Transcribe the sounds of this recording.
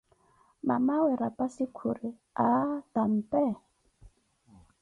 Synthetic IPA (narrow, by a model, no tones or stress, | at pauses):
ma̰mawɛɾapasikʰuɾi | atam̩pɛ